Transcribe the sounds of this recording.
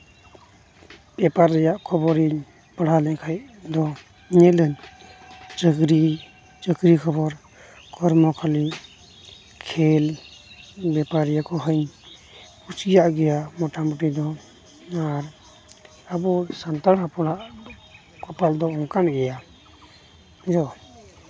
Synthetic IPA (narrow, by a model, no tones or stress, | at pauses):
b̥ɛpaɾːɛjaʔkʰɔbɔɾiɲ | bəɽ̤alɛɲkʰajd̪ɔ | ɲɛləɲ | t͡ʃəɡɾi | t͡ʃəɡɾikʰɔbɔɾ | kʰɔɾmɔkʰali | kʰɛl | bɛpaɾijakʰɔɦəɲ | usijaʔɡɛjamɔʈamɔʈid̪ɔ | aɾ | abɔsant̪aɽapɔɽaʔ | kɔpald̪ɔɔŋkanɡɛja | d͡ʒɔ